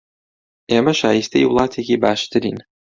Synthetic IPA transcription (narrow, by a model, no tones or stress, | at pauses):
emɐʃaːjist̪ʰejwlˠɑːt̪ʰekʲebaːʃt̪ʰɨɾḭːn